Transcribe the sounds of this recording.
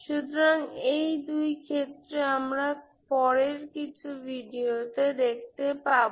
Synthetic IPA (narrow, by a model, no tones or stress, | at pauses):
ʃut̪oɾaŋejd̪ujkʰet̪ːɾeamɾa | pɔɾeɾkit͡ɕʰubʱiɖioted̪ek̚ʰt̪epaɾbo